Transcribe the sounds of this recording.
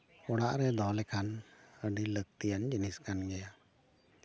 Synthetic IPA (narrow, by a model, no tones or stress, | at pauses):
ɔɽaʔɾɛd̪ɔlɛkʰanəɖilək̚t̪ijand͡ʒiniskanɡɛja